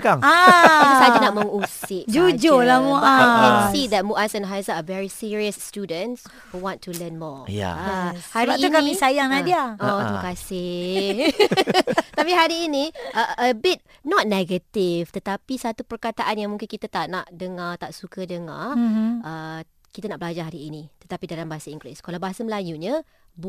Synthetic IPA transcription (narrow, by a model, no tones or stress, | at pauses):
kaŋaaisad͡ʒanaʔmə̃ŋusɪʔd͡ʒud͡ʒolamuʔaãkɛ̃nsid̪ɛt̚muʔasɛ̃nɦajzaəvɛɹisiɹiəsːtudə̃ns | huwɔ̃ntʰulənmɔja̰haɾiinkamĩsajaŋnadiaɔt̪ukasɪ | apiɦaɾiːniʔəəbɪt̚ | nɔt̚nɛɡət̪ift̪ət̪apisat̪upərkat̪aʔanjãŋmũŋkɪnkit̪at̪aʔnaʔdəŋat̪aʔsukədəŋa̰ʔə | kit̪anaʔbəlad͡ʒaɦaɾiinit̪ət̪apidalambaɦasaiŋɡɾiskalawbaasəməlajuɲə | b